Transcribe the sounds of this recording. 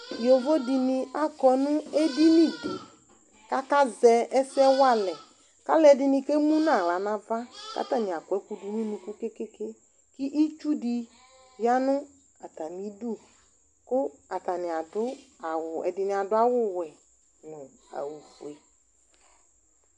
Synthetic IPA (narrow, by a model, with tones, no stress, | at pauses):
jo˨vo˦dɪ˨nɪ˨a˦kɔ˨nʊ̃˦e˦di˦nĩ˦de˨ | ka˦ka˦zɛ˨ɛ˦sɛ˦wa˦lɛ˨ | ka˦lɛ˨dɪ˨nɪ̃˨ke˦mũ˦nã˨la˨nã˨va˦ka̰˦ta˨nɪ̃˨a˨kʊ˨ɛ˦ku˦du˨nĩ˦nũ˨ku˦ke˦ke˦ke˦ | ki˦ʔi˦t͡ʃu˦di˨ | ja˦nʊ˦ | a˨ta˨nĩ˨˦du˦ | kʊ˦a˨ta˨nɪ̃˨a˨dʊ˦a˨wʊ˨ɛ̰˨dɪ˨nɪ̃˨a˨dʊ˦a˦wʊ˦wɛ˨ | nʊ̃˨a̰˨wu˨fu˨e˨